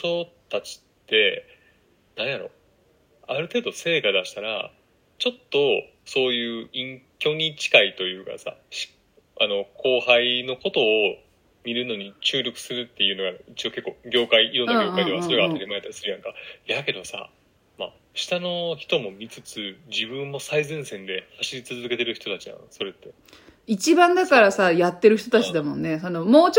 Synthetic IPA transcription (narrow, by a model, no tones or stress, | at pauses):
so̞t̪at͡ɕi̥tt̪ːe̞ | nãɰ̃jaɾo̞̰ | aɾɯ̟t̪e̞ːd̪o̞se̞ːkad̪aɕi̥t̪aɾa̰ | t͡ɕo̞t̪ːo̞ | so̞ːjɯ̟ːĩŋkʲo̞ɲ̟it͡ɕi̥kait̪o̞jɯ̟ːka̰sa̰ɕi̥ | ano̞ko̞ːhaino̞ko̞t̪o̞ː | mʲiɾɯ̟no̞ɲ̟it͡ɕɨːɾʲo̞kɯ̟̥sɨɾɯ̟t̪ːe̞jɯ̟ːno̞ɡait͡ɕio̞ke̞kːo̞ːɡʲo̞ːkaiiɾo̞nːaɡʲjokaid̪easo̞ɾe̞ɡaːt̪aɾʲimae̞t̪aɾʲisɨɾɯ̟jãŋkajake̞d̪o̞sa̰ | ma̰ | ɕi̥t̪ano̞çi̥t̪o̞mo̞mʲit͡sɨt͡sɨd͡ʑibɯ̟̃mːo̞saizẽɰ̃sẽ̞nd̪e̞haɕiɾʲit͡sɨzɨke̞t̪e̞ɾɯ̟çi̥t̪o̞t̪at͡ɕij̪ã̰so̞ɾe̞t̪ːe̞ | it͡ɕibãnd̪akaɾasajat̪ːe̞ɾɯ̟çi̥t̪o̞t̪at͡ɕid̪amõ̞nːe̞sono̞moːt͡ɕ